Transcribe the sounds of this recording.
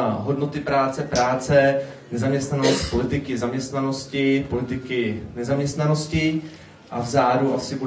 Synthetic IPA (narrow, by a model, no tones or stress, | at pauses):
ɦo̞dno̞t̪ɪpɾaːt͡sɛpɾaːt͡sɛ | nɛzamɲɛst̪nanost̪po̞lɪt̪ɪkɪzamɲɛst̪nano̞scɪpo̞lɪt̪ɪkɪnɛzamɲɛst̪nano̞scɪ | ʔavzaːduʔasɪbu